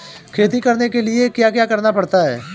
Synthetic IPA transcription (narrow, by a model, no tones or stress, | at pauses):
kʰeːt̪ikɐɾnekeliekjaːkjaːkɐɾnapɐɽt̪aɦɛ̰ː